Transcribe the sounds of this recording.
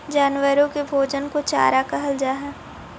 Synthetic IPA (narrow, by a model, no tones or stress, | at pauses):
d͡ʒaːnwəɾõkebʱoːd͡ʒənkot͡ʃa̰ːɾakɐɦəld͡ʒaːɦɛː